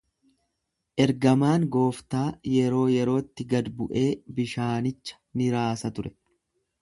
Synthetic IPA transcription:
ʔɛɾɡɐmaːŋɡo̞ːft̪aːjɛɾo̞ːjɛɾo̞ːt̪ːɪɡɐd̪bʊʔe̞ːbɪʃaːnɪt͡ʃːɐ̥nɪɾaːsɐt̪ʊɾɛ̥

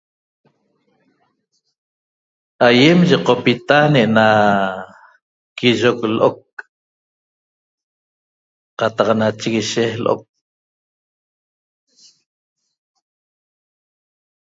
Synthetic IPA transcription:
ʔajemʒeqopit̪aneʔena | kiʒoklʔok̚ | qɑt̪ɑqnat͡ʃiɣiʃehlʔo̰k̚

